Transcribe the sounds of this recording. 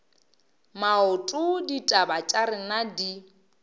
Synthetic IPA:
maʊtʼʊditʼabat͡ʃʼaɾɪnadi

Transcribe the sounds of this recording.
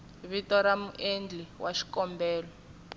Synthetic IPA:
βitɔɾamuʔend͡ɮiwaʃi̥kɔmbɛːlɔ

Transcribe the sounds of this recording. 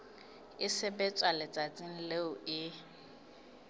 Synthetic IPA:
ɪsɪbɛt͡sʼwalɪt͡sʼat͡sʼɪn̩leʊɪ

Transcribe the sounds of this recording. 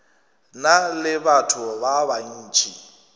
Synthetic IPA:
nalɪbatʰʊbaban̩ːt͡ʃʰʼi

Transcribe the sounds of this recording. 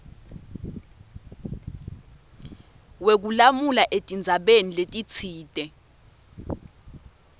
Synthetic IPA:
wek̬ulamulaʔetʼind͡zʱaɓeniletʼit͡sʰiːtʼɛ

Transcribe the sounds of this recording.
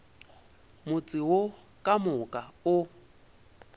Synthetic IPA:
mʊt͡sʼɪwokʼamʊkʼaʊ

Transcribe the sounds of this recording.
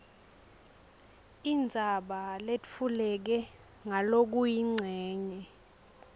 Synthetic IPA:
ind͡zʱaɓalefulɛk̬ɛ | ŋalok̬ujiŋ͡ǀʱɛːɲɛ

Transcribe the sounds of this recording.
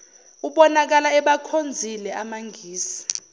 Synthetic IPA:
uɓɔnak̬alaɛɓakʰond͡zʱilɛʔamaŋɡʱiːsi̥

